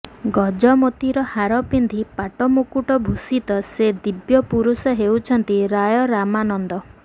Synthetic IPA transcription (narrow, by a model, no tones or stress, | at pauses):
ɡɔd͡ʒɔmot̪iɾɔhaɾɔpind̪ʱipaʈɔmukuʈɔbʱusit̪ɔsed̪ibjɔpuɾusɔɦewt͡ʃʰɔnt̪iɾajɔɾamanɔnd̪ɔ